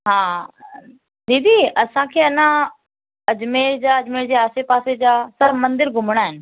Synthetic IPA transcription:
ɦãː | d̪iːd̪iɐsãkʰeːɐnã | ɐd͡ʑmeːɾd͡ʑaːɐd͡ʑmeːɾd͡ʑeːaːsepaːsed͡ʑaːsɐɾmɐ̃nd̪ɪɾɡʱʊməɽ̃aːɦɪnɪ̆

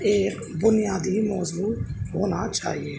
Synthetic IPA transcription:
eːk | bʊnɪjaːd̪iːmɔːzuːɦoːnat͡ʃa̰ːɦieː

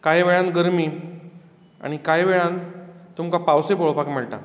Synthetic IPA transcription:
kaɦiʋeɭãnt̪ɡəɾmiː | a̰ɽ̃ikaɦjʋeɭãnt̪t̪umkapawsepoɭpakmeɭʈ̪a̰

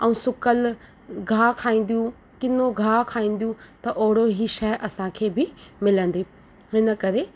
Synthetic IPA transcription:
ɛũsʊkəl | ɡʱaːkʰaːĩːn̆d̪ijũ | kɪnoɡʱaːkʰaːĩːn̆d̪ijũt̪ɐʔoːɽoɦiːʃɛʔɐsãkʰeːbɪmɪlə̃n̆d̪i | ɦɪnə̆kɐɾe

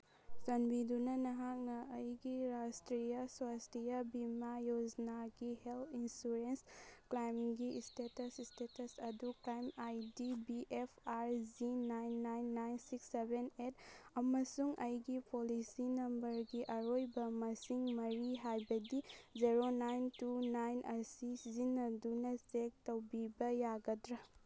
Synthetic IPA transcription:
sɐnbidunɐnɐɦak̚nɐːjɡiɾastɾijaswastijɐbimajod͡ʒnaɡiheltʰinsuɾensklajmɡistetɐsistetɐsɐduklajmajdibiʔepʰaɾzinajnːajnːajnsiksebenetɐmɐsuŋʔɐjɡipolisinɐmbɐɾɡiʔɐɾojbɐmɐsiŋmɐɾiɦajbɐdiziɾonajntunajnʔɐsisizinːɐdunɐsek̚tɐwbibɐjaɡɐdɾɐ

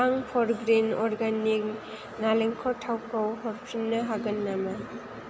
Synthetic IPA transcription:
aŋpʰɔɾɡɾinɔɾɡanik̚ | naleŋkʰɔtʰawkawɦɔɾpʰɾinːɐɦaɡɐnːamɐ

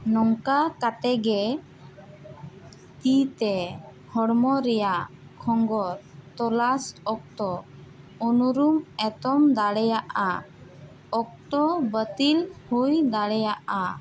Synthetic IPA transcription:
nɔŋkakat̪ɛɡɛ | t̪it̪ɛ | hɔɽmɔɾɛjakʰɔŋɡɔɾt̪ɔlasɔk̚t̪ɔ | ɔnuɾumɛt̪ɔmd̪aɽɛjaʔa | ɔk̚t̪ɔbət̪ilhujd̪aɽɛjaʔa

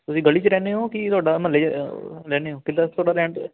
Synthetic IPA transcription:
t̪ʊsĩːɡəliːt͡ʃəɾɛːneːɦõːkɪt̪ʊaːɖaːməleɾɛːneːɦõːkɪd̪aːt̪ʰoːɽaːɾɛ̃ːɳʈ

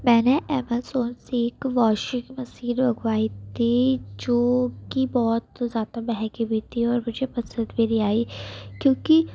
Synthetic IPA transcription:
mɛ̃ːneʔɛːməlsoːnseːkʋaːʃɪ̃ŋɡmɐsiːɾbɐɡʋaːit̪ʰid͡ʒoːkibɔːt̪zjaːd̪abɛɦɛ̃kibʱiːt̪ʰiɔːɾmʊd͡ʒʱepɐsə̃nd̪bʱeɾiaːikjõːki

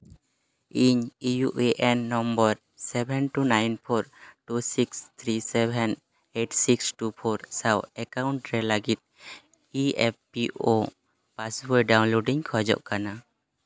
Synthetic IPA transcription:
iɲijuʔeʔɛnːɔmbɔɾ | sɛbʱɛnʈunajnpʰɔɾʈusikst̪ʰɾisɛbʱɛn | eʈsiksʈupʰɔɾsawɛkawɳʈɾɛlaɡit̪̚ | iɛpːio | paswojɖawnloɖiɲkʰɔd͡ʒɔ̰ʔkana

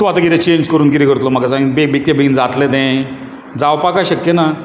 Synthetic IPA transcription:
t̪ũat̪əɡiɾet͡ɕẽɲd͡ʑkəɾuːnkiɾikəɾt̪lɔm̤akasãŋɡibebek̚t̪ebeɡind͡zat̪led̪ɛ̃ | d͡zawpakajɕəkjena

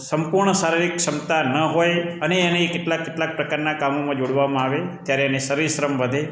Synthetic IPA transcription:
səmpuɾɳəsaɾiɾikʃəmt̪anəɦojəneːnekɪʈlakːɪʈlak̚pɾəkaɾnakamomãd͡ʒoɽʋamãaʋet̪jaɾeanesəɾiʃɾəmʋəd̪ʱe

